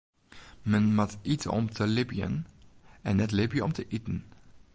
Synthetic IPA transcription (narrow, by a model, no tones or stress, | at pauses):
mənmatʔitɔ̰mtʰəlɪbijə̰nɛnɛtlɪbijəɔmtəʔitən̩